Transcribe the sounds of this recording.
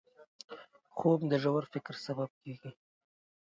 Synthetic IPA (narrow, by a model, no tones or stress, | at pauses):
χomd̪əʒawəɾfɪkɾsabab̚keɡi